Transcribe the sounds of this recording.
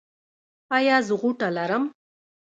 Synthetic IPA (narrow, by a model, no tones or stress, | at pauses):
pajɑzəɣuʈalaɾəm